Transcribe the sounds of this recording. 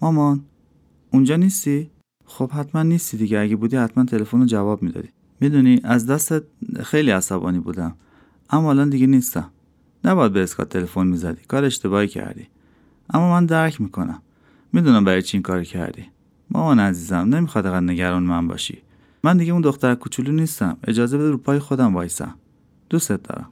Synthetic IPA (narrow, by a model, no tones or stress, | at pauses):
mɒːmɒn | und͡ʒɒːniːst̪i | xob̥hæt̪ʰmænːiːst̪id̪iɟeæɟebuːd̪iːhæt̪ʰmænt̪ʰe̞lefonod͡ʒævɒːbmiːd̪ɒ̰ːd̪i̥ | mid̪uniʔæzd̪æst̪et̪̚xejliːæsæbɒ̰niːbṵːd̪æm | ʔæmːɒːlɒnd̪iɟenist̪æ̰m | næbɒjæd̪̚beːskʰɒ̰t̪ʰːe̞lefonmizæd̪i̥kʰɒːɾeʃt̪e̞βɒːhicʰæ̰ɾd̪ḭ | ʔæmːɔmænd̪æɾcʰmiːkʰo̞næ̰mː | id̪uːnæmbæɾɒjt͡ʃʰiiːŋkʰɒːɾicʰæ̰ɾd̪ḭ | mɒ̰ːmɑnæziːzæmnemixɒːd̪æɣæd̪ne̞ɟæɾɒːnemænbɒ̰ʃḭ | mænd̪iɟeund̪o̞xt̪æɾkʰut͡ʃʰulunist̪æme̞̰d͡ʒɒːzebe̞d̪iɾupʰɒːjexo̞d̪æmvɒːjsæ̰m | d̪̥ust̪et̪̚d̪ɒ̰ːɾæ̰m